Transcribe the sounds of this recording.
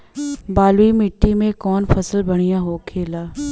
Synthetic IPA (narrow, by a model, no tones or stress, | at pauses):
baːlwimɪʈːimẽkɔːnfʰɐsəlbɐɽ̃ijaɦoːkʰeːlaː